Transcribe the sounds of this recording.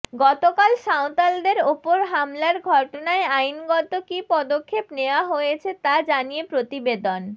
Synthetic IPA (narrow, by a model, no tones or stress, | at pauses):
ɡɔt̪okalʃawt̪ald̪eɾopoɾɦamlaɾɡʱɔʈonaeajnɡɔt̪okipɔd̪okʰːepneoaɦojet͡ɕʰet̪ad͡ʑanijepɾot̪ibed̪on